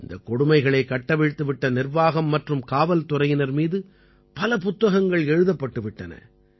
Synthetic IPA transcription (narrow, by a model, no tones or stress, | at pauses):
ɪnd̪ɐkːɔɽʊmɐɪɣɐɭɐɪkːɐʈːɐʋɪɻt̪ːɯʋɪʈːɐnɪrʋaːɣɐmːɐʈrɯmkaːʋɐlt̪ʊrɐjɪnɐɾmiːðɯ | pɐlɐpʊt̪ːɐɣɐŋɡɐɭɛɻɯðɐpːɐʈːɯʋɪʈːɐnɐ̰